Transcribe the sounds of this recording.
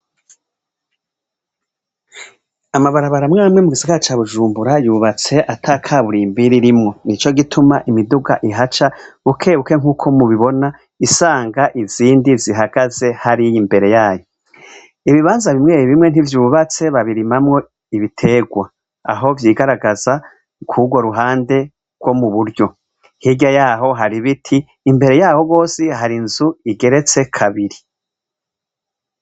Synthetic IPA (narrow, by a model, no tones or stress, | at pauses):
amaβaɾaβaɾamŋaːmŋe̞muɡiziɡat͡ʃaːβuʒuːmbuɾajuːβat͡se̞ʔatʰaːkʰaːβuɾiːmbiɾiɾimŋo̞nit͡ʃo̞ɡitʰumaʔimiduɡa̰ʔiɦat͡ʃaβukʰeːβuke̞ŋ̥uːkʰo̞muβiβo̞na | isaːŋɡaʔiz̥iːndiziɦaɡ̥aze̞haɾijimbe̞ɾe̞jaːjo | iβiβaːnzaβimŋe̞ːɾiβimŋe̞n̥ivjuːβat͡se̞βaβiɾimamŋo̞ | iβitʰe̞ːɡwa | a̰ɦo̞vjiːɡaɾaɡaz̥a | kʰuɡwoɾuɦaːnde̞ | ɡ̥wo̞muβuɾjo̞ | hiɟajaːɦo̞ɦaɾiβitʰiː | mbe̞ɾe̞jaːho̞ɡo̞ːsihaɾinzuiɡe̞ɾe̞t͡se̞kʰaβiɾi